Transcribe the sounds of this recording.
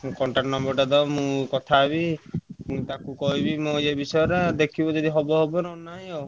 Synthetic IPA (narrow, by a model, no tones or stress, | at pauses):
kɔɳʈaʈnɔmbɔɾʈad̪ɔmũkɔt̪ʰaebimũt̪akukɔɦibimɔ̃d͡ʒebisɔjɔɾed̪ekʰibɔd͡ʒɔd̪iɦɔbɔɦɔbɔnɔnaĩo